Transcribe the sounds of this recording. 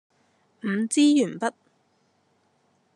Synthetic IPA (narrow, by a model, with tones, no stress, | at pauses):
m̩˨˧t͡siː˥jyː˨˩npɐ˥t̚